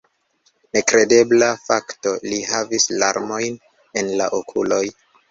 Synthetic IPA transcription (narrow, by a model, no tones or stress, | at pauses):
ne̞kɾe̞de̞blafakto̞liɦavisla̰ɾmo̞jn | e̞nla̰ʔokʰulo̞j